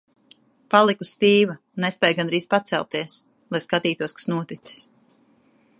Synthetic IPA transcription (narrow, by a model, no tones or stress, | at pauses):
palˠikust̪iːva | nespʲɛjɡanɾiːspat̪sɛ̰lˠp̚t̪iɛs | lˠajskat̪iːt̪uɔskḁsnuɔt̪it̪si̥s